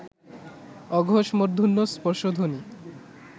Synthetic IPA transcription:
ɔɡʱoʃmoɾd̪ʱunːospɔɾʃod̪ʱoni

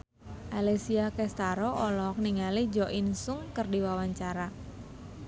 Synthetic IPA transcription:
ʔalesiakɛst̪aɾɔɔlɔk̚niŋalid͡ʒɔʔinsʊŋkərdiwawaɲt͡ʃaɾa

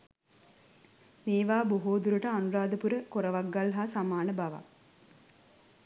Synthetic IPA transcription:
meːʋaːboɦoːd̪uɾuʈəanuɾaːd̪əpuɾəkoɾəʋaɡːalɦaːsamaːnəbaʋa̰

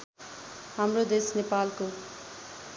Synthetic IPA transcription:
hamrod̪esnepalko

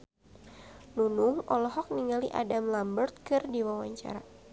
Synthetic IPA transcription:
nunʊŋɔlɔɦɔk̚niŋaliʔa̰damlambərt̪̚kɨrdiwawaɲt͡ʃa̰ɾa

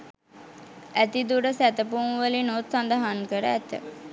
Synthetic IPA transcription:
æt̪id̪uɖəsæt̪əpumʋəlinot̪sand̪əɦaŋkəɾəæt̪ə̰

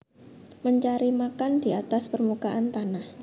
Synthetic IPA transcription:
məɲt͡ʃaɾimakandiat̪aspərmukaʔant̪anah

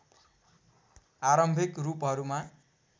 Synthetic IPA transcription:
aɾʌmbʱikrupɦʌɾuma

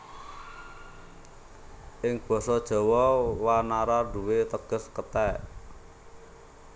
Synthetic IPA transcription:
ʔɪŋb̥ɔ̤sɔd̥ʒ̥ɔ̤wɔwanaɾaɖ̥ṳwet̪əɡ̥ə̤skət̪ɛ

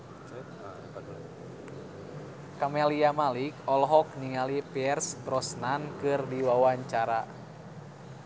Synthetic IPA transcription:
kamɛliamalikɔlɦɔk̚niŋalipiɛrst̪ɾɔsnankɨrdiwawaɲt͡ʃaɾa

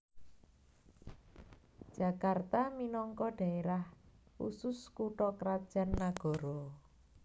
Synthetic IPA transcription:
d̥ʒ̥ä̤kart̪aminɔŋkɔɖ̥a̤eɾahṵsʊskuʈɔkəɾad̥ʒ̥a̤nːaɡ̥ɔ̤ɾɔ

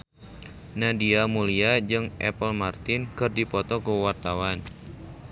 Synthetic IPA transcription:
nadiamuliad͡ʒɨŋʔɛ̰pəlmart̪ɪnkɨrdipɔt̪ɔkuwart̪awan

